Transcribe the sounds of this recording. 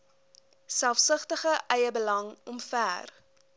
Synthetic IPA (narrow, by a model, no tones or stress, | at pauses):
sælˠfsəχtəχəʔɛjəbəlɐŋɔmfæːr